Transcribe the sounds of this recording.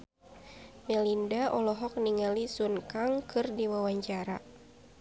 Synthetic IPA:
mɛlindaʔɔlɔɦɔk̚niŋalisunkaŋkɨrdiwawaɲt͡ʃaɾa̰

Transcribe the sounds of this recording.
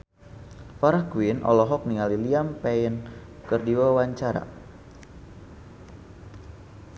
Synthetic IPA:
faɾahkwinʔɔ̰lɔɦɔk̚niŋaliliampɛinkərdiwawaɲt͡ʃaɾa̰

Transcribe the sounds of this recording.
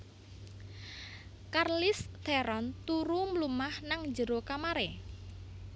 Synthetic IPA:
karlɪst̪ɛɾɔnt̪uɾuməlumahnaŋd͡ʒəɾokamaɾe

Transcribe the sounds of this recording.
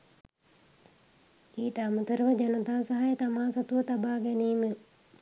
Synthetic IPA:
iːʈəamut̪əɾəʋəd͡ʒanət̪aːsaɦajet̪amaːsat̪uʋɐt̪abaːɡɛniːmə

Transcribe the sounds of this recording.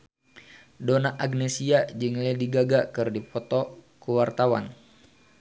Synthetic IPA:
donaʔaɡnɛsiad͡ʒɨŋlɛdiɡaɡakɨrdipɔt̪ɔ | kuwart̪awa̰n

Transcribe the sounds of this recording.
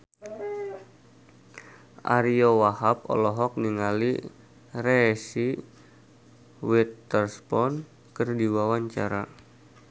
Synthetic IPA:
ʔa̰ɾiowahap̚ɔ̰lɔɦɔk̚niŋali | resi | wit̪ːərspɔn | kɨrdiwawaɲt͡ʃaɾa̰

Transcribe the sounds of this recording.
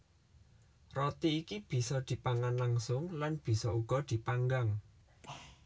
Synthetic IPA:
rɔt̪iːkib̥i̤sɔd̪̥i̤paŋanlaŋsʊŋlanb̥i̤sɔuɡ̥ɔ̤d̪̥i̤paŋɡaŋ

